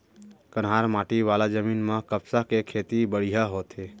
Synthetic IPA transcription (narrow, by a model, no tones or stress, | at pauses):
kənɦaɾmaʈiʋalad͡ʒəminmə̃kəbsakekʰet̪ibəɽijaɦot̪e